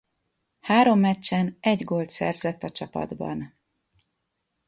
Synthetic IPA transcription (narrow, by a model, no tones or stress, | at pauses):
haːɾo̞mːɛt͡ʃːɛnɛɟɡo̞lt̪sɛ̰rzɛt̪ːɒt͡ʃɒpɒ̰d̪bɒ̰n